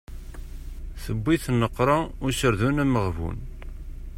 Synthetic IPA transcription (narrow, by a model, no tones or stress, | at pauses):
θəbːiθnːəqːɾˤɑʊɾʃəɾðunæməʁvṵn